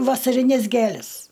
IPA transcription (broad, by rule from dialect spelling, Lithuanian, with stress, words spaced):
ʋɐsɐrʲɪˈnʲɛs ˈɡʲeːlʲɛs